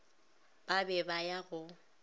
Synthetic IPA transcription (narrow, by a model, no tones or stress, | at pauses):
b̥abɛbajaɣʊ